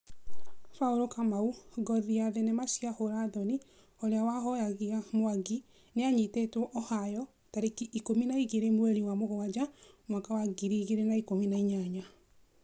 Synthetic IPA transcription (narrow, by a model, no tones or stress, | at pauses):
faoɾokamauɡɔðiaðenemaʃjahoɾaðɔni | oɾeawaɦɔjaɣiamoaɡi | neaɲitetɔʔɔhajɔ | taɾekiʔikominaiɣeɾemwɛɾiwamoɣɔad͡ʒamwakawaɡiɾiːɣeɾenaikominaiɲaɲa